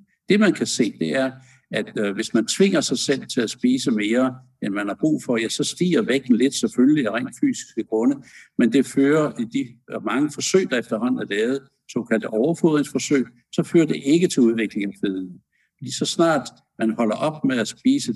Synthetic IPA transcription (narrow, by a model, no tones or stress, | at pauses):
d̥e̝mænkʰæse̝̰ːd̥e̝æɐ | æd̥ʋe̝smænt͡sʰʋe̝ŋ̰ɐsɑ̈ɪsel̰t͡sʰe̝læsb̥iːsəme̝ːɐ | enmænhɑ̈b̥ʁṵːfɒ̽jæsɒ̽sd̥ḭːɐʋeɡ̥̚n̩le̝d̥sefølliæʁɛ̰ɪ̰ːnd̥fy̰ːsi̥sɡ̥əɡ̥ʁɔ̽nəmend̥e̝føːɐid̥imɑ̈ŋəfɒ̽sø̰ːɪd̥ɑefd̥ɐɦɒ̽n̰ð̩ˠæd̥eɛð̞̩ˠ | sɔ̰̽ːkʰæl̰d̥əʔɒʊɐfuð̰ˠʁeŋsfɒ̽sø̰ɪ̰ | sɒ̽føːɐd̥e̝ʔe̝ɡ̥ət͡sʰe̝luð̞ˠʋe̝ɡ̥le̝ŋæfeðˠn̩ | l̥isɒ̽snɑ̰̈ːd̥ | mænhɒ̽l̰ɐʔɒ̽b̥meðˠæsb̥iːsə